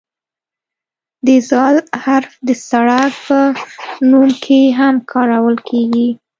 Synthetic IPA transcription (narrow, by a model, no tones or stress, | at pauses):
d̪ezɑlhaɾfd̪əsaɽak̚pənumkʰeɦamkʰɑɾawəlkʰeɡi